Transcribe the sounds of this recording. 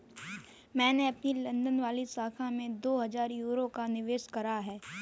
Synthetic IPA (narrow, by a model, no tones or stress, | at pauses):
mɛ̃ːneɐpnilɐ̃nd̪ənʋaːlisaːkʰãmẽd̪oːɦɐzaːɾjuːɾokanɪʋeːʃkɐɾaɦɛː